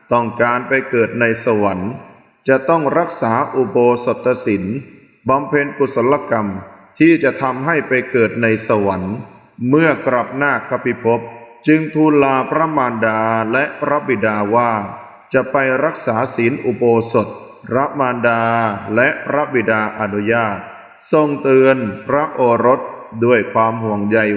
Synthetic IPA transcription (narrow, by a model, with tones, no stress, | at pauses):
t̪ɔ˥˩ŋkaː˧npa˧jkɤː˨˩t̪̚na˧jsa˧wa˩˦n | t͡ɕa˨˩ʔt̪ɔ˥˩ŋɾa˦˥k̚saː˩˦ʔu˧˩boː˧so˨˩t̪ːa˧si˩˦n | ba˧mpʰe˧nku˨˩t̪̚so˩˦la˧ka˧mt̪ʰiː˥˩t͡ɕa˨˩ʔt̪ʰa˧mɦa˥˩jpa˧jkɤː˨˩t̪̚na˧jsa˧wa˩˦n | mɯ˥˩ɐkɾa˨˩p̚naː˥˩kʰːa˦˧˥pʰi˧˥pʰo˦˥p̚t͡ɕɯ˧ŋt̪ʰuː˧nlaː˧pʰɾa˦˥maː˧ndaː˧lɛ˦˥ʔpʰɾa˦˥bi˨˩daː˧waː˥˩ | t͡ɕa˨˩ʔpa˧jɾa˦˥k̚saː˩˦siː˩˦nʔu˨˧˩boː˧so˨˩t̪̚ | ɾa˦˥maː˧ndaː˧lɛ˦˥ʔpʰɾa˦˥bi˨˩daː˧ʔa˧nu˦˥jaː˥˩t̪̚ | so˧ŋt̪ɯ˧ənpʰɾa˦˥ʔoː˧ɾo˦˥t̪̚ | du˥˩əjkʰwaː˧mhu˨˩əŋja˧j